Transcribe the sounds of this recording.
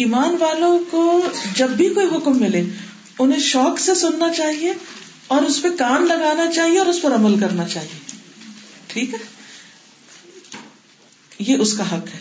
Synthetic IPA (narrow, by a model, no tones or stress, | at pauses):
iːmaːnʋaːlõkod͡ʒɐbːʱikoːiɦʊkmːɪle | ʊnɦẽʃɔːksesʊnːat͡ʃaːɦie | ɔːɾʊspekaːnlɐɡaːnat͡ʃaːɦieɔːɾʊspɐɾɐməlkɐɾnat͡ʃaːɦieː | ʈʰiːkɦɛː | jeʔʊskaɦɐkɦɛː